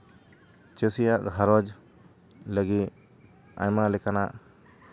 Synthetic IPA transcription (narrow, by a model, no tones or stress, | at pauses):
t͡ʃəsijaʔɡʱaɾɔd͡ʒ | ləɡit̪̚ | a̰jmalɛkanaʔ